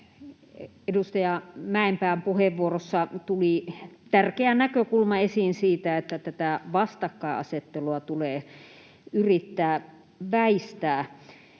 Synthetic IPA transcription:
edust̪ɑjɑmæˑempæːmpuheʋʋuorosːɑt̪ulit̪ærkeænækøkulmɑesinsiːt̪æet̪ːæt̪æt̪æʋɑst̪ɑkːɑeɑ̰set̪ːeluɑt̪uleː | yrit̪ːæː | ʋæist̪æː

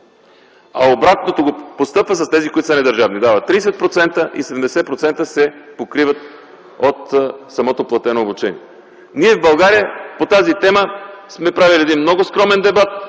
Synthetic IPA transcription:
a̰obɾat̪not̪oɡopost̪ɤpvəsɐsɛzikoit̪osənɛd̪əɾʒavnid̪avət̪ːɾisɛt̪̚pɾot̪sɛnt̪əʔḭsɛd̪md̪ɛsɛpɾot̪sɛnt̪əsɛpokɾivət̪ | ot̪sɐmɔt̪oplˠɐt̪ɛnoːbut͡ʃɛniɛ | niɛvbɐlˠɡaɾijəpot̪azit̪ɛməsmɛpɾaviliɛd̪inmnɔɡoskɾɔmɛnd̪ɛbat̪̚

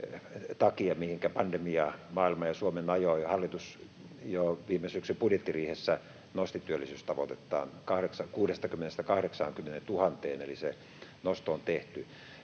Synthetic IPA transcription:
t̪ɑkiɑmihiŋkæpɑndemiɑmɑːilmɑjɑsuomenɑjoihɑlːit̪us | joʋiːmːesyksypudjet̪ːiriːhesːæ | nost̪it̪yølːisyːst̪ɑʋot̪et̪ːˑɑ̰ːnkɑhɾeksɑkuːdest̪ɑkymːenest̪ækɑhɾeksɑːŋkymːenent̪uhɑnt̪eːnḛlise | nost̪oont̪eht̪y

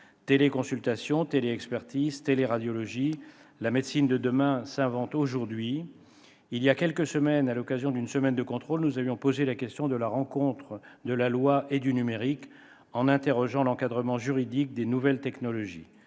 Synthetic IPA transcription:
t̪elekɔ̃sylt̪asjɔ̃t̪eleɛkspɛʁt̪izt̪eleʁad̪jɔlɔʒilamed̪sind̪əd̪əmɛ̃sɛ̃vɑ̃t̪oʒuʁd̪ɥiː | ljakʲɛlkəsəmɛnalɔkazjɔ̃d̪ynsəmɛnd̪əkɔ̃t̪χolnuzavjɔ̃pozelakʲɛst̪jɔ̃d̪əlaʁɑ̃kɔ̃t̪χəd̪əlalwaʔed̪ynymeʁik | ɑ̃nɛ̃t̪eʁɔʒɑ̃lɑ̃kad̪ʁəmɑ̃ʒyʁid̪ik̚d̪enuvɛlt̪ɛknɔlɔʒḭ

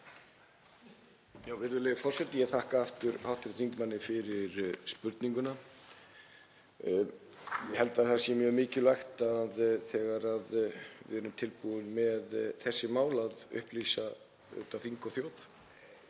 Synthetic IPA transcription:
jaːwvɪɾðʏlɛɣfɔr̥sɛt̪nɪjɛθahkaaft̪ʏɾhawht̪ɪɾ̥θiŋkmanːɪfɪɾɪɾspʏɾt̪niŋkʏna | jɛhɛlt̪aðθasjɛmjœːɣmɪːcɪlajxt̪aðθɛːɣaɾaðvɪ̰ðɛɾʏmt̪ʰɪlpuðɪnmɛðθɛsːɪmaːwlaðʏ̰hpliːsa | œ̰t̪aθiŋkɔθjowθ

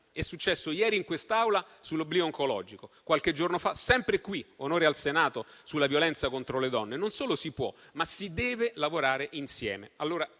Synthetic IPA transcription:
ɛsːut͡ʃːɛsːojɛːɾiːŋkwest̪awla | sulːoblioːŋkolɔ̰ːd͡ʒikokwalk̟ed͡ʒːornofasɛmpɾekwionoːɾealsenaːt̪osulːavjolɛnt̪sakont̪ɾoled̪ɔnːenonsoːlosipwɔ̰masid̪ɛːvelavoɾaːɾeʔinsjɛ̰ːmealːoːɾa

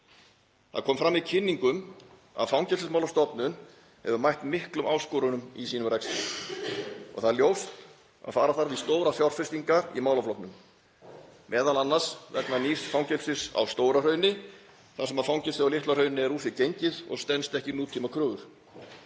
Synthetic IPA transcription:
θaðkʰɔːmfɾamːicʰɪnːiŋkʏm | a̰ðfawŋcɛlsɪsmaːwlast̪ɔpnʏn | hɛvʏɾmajht̪nmɪhklʏmʔaːwskɔːɾʏnʏmisiːnʏmrɛkst̪a | ɔ̰ɣθaðljowst̪ | a̰ðfaːɾaθaɾviðst̪oːwɾaθjawr̥fɪst̪iŋkaɾḭmaːwlaflɔhp̪nʏm | mʔɛːðalanːasvɛk̪naniːsfawŋcɛlsɪsa̰wst̪oːwɾar̥œɥnɪ | θasɛmaðfawŋcɛlsɪawlɪht̪larœɥnɪɛɾuːθicejɲcɪðɔ̰ɣst̪ɛnst̪ɛhcɪnuːt̪ʰiːmakʰɾœːɣʏɾ̥

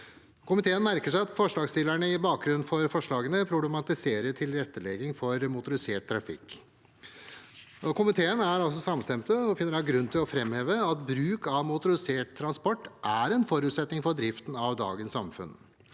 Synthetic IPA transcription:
kʰʊmɪt̪ʰeːənmæɾkəʂæɪɑt̪fɔʂɭɑːɡst̪ɪlæɳəɪbɑːk̚ɡɾʉnnfɔɾfɔʂɭɑːɡənəpʰɾʊblɛmɑt̪ɪseːɾəʈʰɪlɾɛt̪ːəlɛɡɪŋfɔɾmʊt̪ʊɾɪseːʈ̚t̪ʰːɾɑfɪ̰kː | ɔkʰʊmɪt̪ʰeːənæɾɑls̬ɔsɑmst̪ɛmt̪əɔfɪnːəɾɑɡɾʉnːt̪ʰɪlɔfɾɛmheːʋəɑt̪bɾʉːkɑʋmʊt̪ʊɾɪseːʈ̚t̪ʰːɾɑnspɔʈːʔæɾɛnfɔɾʉːt̪sɛt̪nɪŋfɔɖ̪ɾɪft̪n̩ɑʋd̪ɑ̰ːɡənsɑ̰mfʉ̰n

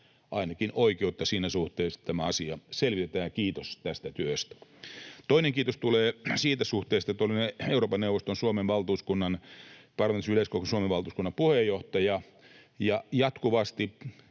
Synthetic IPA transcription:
ʔɑinɑkinoikeut̪ːɑsiːnæsuht̪eːst̪æmæɑsiɑselʋit̪et̪æːɑkiːt̪ost̪æst̪æt̪yøst̪æ̥t̪oineŋkiːt̪ost̪uleːsiːt̪æsuht̪eːst̪ɑet̪ːolineeuroːpɑnewʋːˑost̪onsuomenʋɑlt̪uːskunːɑnpɑrˑɑment̪isyleskokosuomeʋɑlt̪uskunːɑmpuhejoht̪ɑjɑ | jɑjɑt̪kuʋɑst̪i

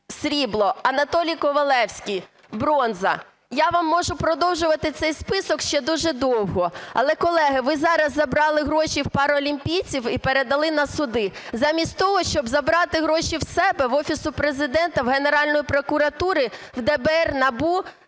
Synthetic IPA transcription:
sɾʲiblˠɔɐnɐt̪ɔlʲijkɔʋɐlˠɛwsʲkʲij | bɾɔnzɐ̰ | jaʋɑmːɔʒʊpɾɔd̪ɔwʒʊʋɐt̪ɪt̪sɛjspɪsɔkʃt͡ʃɛd̪uʒɛd̪ɔwɦɔɐ̰lˠɛkɔlˠɛɦɪʋɪzɑɾɐzːɐbɾɑlˠɪɦɾɔʃiwpɑɾɔlʲimʲpʲijt͡sʲiwipeɾed̪ɐlˠɪnɐsʊd̪ɪzɑmʲisʲtʲt̪ɔɦɔʃt͡ʃɔbzɐbɾɑt̪ɪɦɾɔʃiwsɛbɛʋɔfʲisʊpɾezɪd̪ɛnt̪ɐwɦeneɾɑlʲnɔjipɾɔkʊɾɐt̪uɾɪ | wd̪ɛbɛɛrnɐbu

